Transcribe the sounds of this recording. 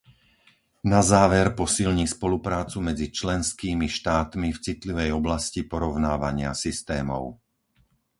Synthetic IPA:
nazaːʋɛɾpɔsilɲiːspɔlupɾaːt͡sumɛd͡zit͡ʃlɛnskiːmiʃt̪aːt̪mift͡sit̪liʋɛjɔblascipɔɾɔʊnaːʋaɲɪasist̪ɛːmɔ̰ʊ

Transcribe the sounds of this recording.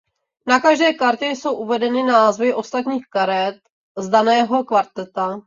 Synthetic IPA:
nakaʒdɛːkaɾcɛjso̞wʔuvɛdɛnɪnaːzvɪʔo̞st̪at̪ɲiːxkaɾɛt̪̚ | zdanɛːɦo̞kvaɾt̪ɛt̪a

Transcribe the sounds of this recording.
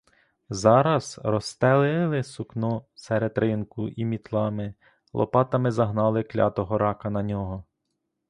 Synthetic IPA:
zɑɾɐz̥rɔst̪ɛlˠɪlˠɪsʊknɔsɛɾed̪ɾɪnkʊʔimʲit̪lˠɑmɪ | lˠɔ̰pɑt̪ɐmɪzɐɦnɑlˠɪklʲɑ̰t̪ɔɦɔɾɑkɐnɐnʲɔɦɔ

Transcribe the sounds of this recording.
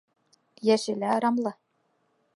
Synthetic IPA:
jæʃɘ̆læɾɑmlˠɤ

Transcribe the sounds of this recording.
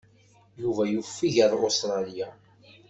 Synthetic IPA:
juvæjufːiʝəðˤost̪ɾˤɑlija

